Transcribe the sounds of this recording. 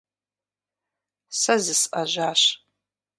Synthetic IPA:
sɐzɨsʔɐʒʷaːɕ

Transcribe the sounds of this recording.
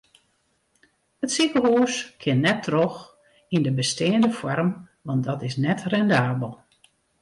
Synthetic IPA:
hətsikəɦuːskʰɪnnɛtʰːrox | indəbəsteːndəfɔrm | ʋɑntdɔtɪsnɛtrɛndaːbəlˠ

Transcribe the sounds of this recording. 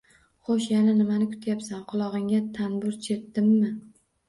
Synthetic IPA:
χoʃjananɪmanɪkʰʊ̥t̪ʰjapsanqʰʊlˠɒʁɨŋʲat̪ʰanbʊɾt͡ʃʰe̞t̪ːɪmːɪ

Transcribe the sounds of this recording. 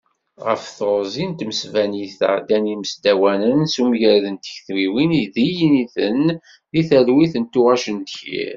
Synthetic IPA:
ʁə̰fθoɾzint̪məsvæniθæ̰d̪æniməsd̪æwænənsumʝɾæðənt̪ə̥çθɾiwiniðijniθən | ðiθælwiθənt̪uʁæʃənd̪çḭɾ

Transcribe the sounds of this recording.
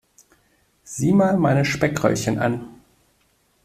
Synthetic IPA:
z̥iːmaːlmaɪnəʃpɛkʁɔ̰ʏçənʔa̰n

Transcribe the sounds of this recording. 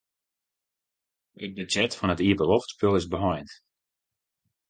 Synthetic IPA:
ət̚bəd͡ʒɛtfɔnətiəbəlɔftspølˠɪzbəɦɔjnt

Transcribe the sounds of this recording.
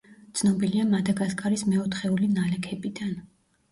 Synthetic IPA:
t̪sʰnɔbiliamad̪aɡaskʼaɾismɛɔt̪χɛulinalɛkʰɛbid̪an

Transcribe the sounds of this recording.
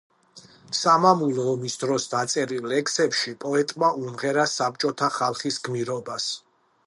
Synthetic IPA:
samamulˠɔːmisd̪ɾɔsd̪at̪sʼɛɾilːɛksɛpʃipʼɔɛt̪ʼmaʔumʁɛɾasap̚t͡ʃʼɔt̪ʰaχalˠχisɡmiɾɔbas

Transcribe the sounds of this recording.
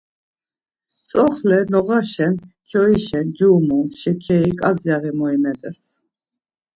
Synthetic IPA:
t͡sʼɔχlɛnɔʁaʃɛnkʰjɔiʃɛnd͡ʒumunʃɛkʰɛikʼazjaɣɛmɔimɛt̪ʼɛs

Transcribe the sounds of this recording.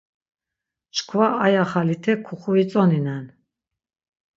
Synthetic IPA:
t͡ʃʰkʰvaʔajaχalit̪ʰɛkʰuχuit͡sʼɔninan

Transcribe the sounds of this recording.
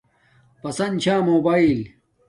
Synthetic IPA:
pɐsɐnt͡ɕʰaːmoːbaːil

